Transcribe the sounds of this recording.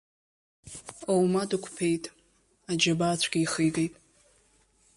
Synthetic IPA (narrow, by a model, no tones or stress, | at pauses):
owmadɨkʷʰpʰe̞jtʼ | ad͡ʒabaːt͡ɕʷʰɡʲiiχijvʼejtʼ